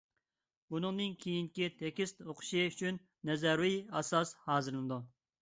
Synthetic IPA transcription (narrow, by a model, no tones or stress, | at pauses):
bunɨŋnɨnkʲʰejiŋkʲit̪ʰɛkʲist̪oqʰʊ̥ʃiyt͡ʃʰynːɛzɛɾwijɑsɑshɑːzɨɾɨlnɨd̪u